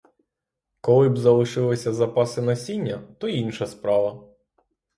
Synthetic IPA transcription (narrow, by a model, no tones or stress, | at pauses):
kɔlˠɪbzɐlˠɪʃɪlˠɪsʲɐzɐpɑsɪnɐsʲinʲːɐt̪ɔinʃɐspɾɑʋɐ